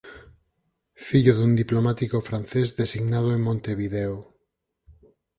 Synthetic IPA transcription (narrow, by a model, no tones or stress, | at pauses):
fiʎoðund̪iplomat̪ikofɾanθezðesiɣnað̞oeŋmõnt̪eβiðeo